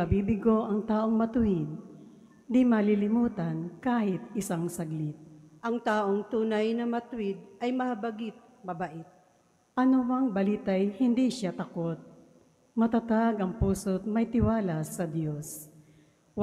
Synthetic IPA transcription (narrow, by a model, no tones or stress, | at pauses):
ɐbiːbɪɡo̞ʔɐŋt̪aːʔo̞ŋmɐt̪ʊhɪd̪̚ | d̪ɪmɐlɪlɪmuːt̪ɐnkaːhɪt̪̚ɪsaŋsɐɡlɪt̪̚ʔɐŋt̪aːʔoŋt̪uːnɐjnɐmɐt̪ʊwɪd̪̚ʔɐjmɐhɐbɐɡɪt̪̚ | mɐbaʔɪt̪̚ | ʔɐnomɐŋbɐliːt̪ajhɪnd̪iʃat̪ɐko̞t̪̚ | mɐt̪at̪aɡʔɐŋpuːsot̪̚mɐjt̪ɪwaːlasɐd̪jo̞s | w